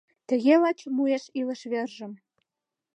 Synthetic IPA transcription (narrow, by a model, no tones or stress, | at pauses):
t̪ə̆ɣelɑt͡ɕmueʃilə̆ʃβerʒə̆m